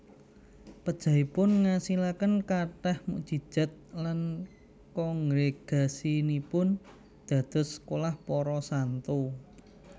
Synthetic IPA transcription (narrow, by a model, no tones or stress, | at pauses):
pəd̥ʒ̥ä̤ipʊnŋasilakənkaʈɛhmṵʔʒ̥i̤d̥ʒ̥a̤t̪̚lan | kɔŋɾeɡ̥a̤sinipʊn | d̪̥ä̤d̪̥ɔ̤sːkolahpɔɾɔsant̪u